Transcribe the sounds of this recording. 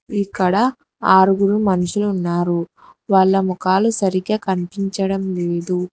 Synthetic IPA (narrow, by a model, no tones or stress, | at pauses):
ikːɐɽɐ | aːɾuɡuɾumɐnuʃulːnːaːɾu | ʋaːɭːɐmukaːlusɐɾiɡɐːkɐnipiɲt͡ʃɐɽɐmleːd̪u